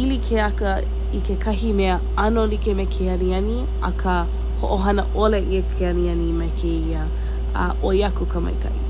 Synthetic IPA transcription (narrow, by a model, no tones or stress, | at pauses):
ilikʰeɐkə | ikekʰɐɦimeə | ɐnolikemekʰeɐɾiɐni | ɐ̰kʰə | hoʔoɦɐnə̰ʔoleʔiəkʰeɐniɐnimɐjkʰeiə̰ | ʔojɐkukʰəmɐ̰jkɐ̰ʔḭ